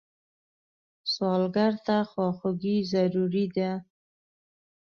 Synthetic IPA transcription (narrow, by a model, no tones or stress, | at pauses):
sɑlɡaɾt̪axwɑxʊɡizaɾuɾid̪a